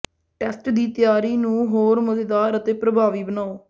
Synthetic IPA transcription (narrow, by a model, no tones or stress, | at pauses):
ʈɛsʈd̪iːt̪ɪjaːɾiːnũːɦoːɾmət̪ed̪aːɾət̪eːpɾəbʱaːʋiːbənaːoː